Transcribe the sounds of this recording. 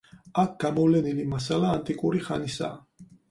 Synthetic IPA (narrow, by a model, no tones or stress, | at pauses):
ak̚ʰɡ̥amɔvlɛnilimasalaːnt̪ʼikʼuɾiχanisa̰ː